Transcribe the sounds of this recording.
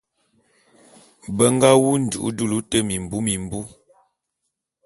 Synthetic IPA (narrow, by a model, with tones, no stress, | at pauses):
bə˦ŋ˦ɡa˦wu˦n̩˨dṵ˨ʔṵ˦du˦lu˦tə˦mi˨m̩˨bu˦mi˨m˨bu˦